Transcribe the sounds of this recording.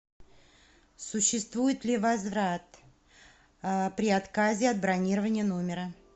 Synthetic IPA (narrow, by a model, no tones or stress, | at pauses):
sʊɕːɪst̪vujɪt̪lʲɪvɐzvɾat̪ | pɾʲɪat̪kazʲɪɐd̪̚bɾɐnʲiɾəvənʲɪjənomʲɪɾə